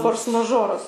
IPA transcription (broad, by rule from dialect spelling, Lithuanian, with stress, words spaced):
ˈfoːrs mɐˈʒoːrɐs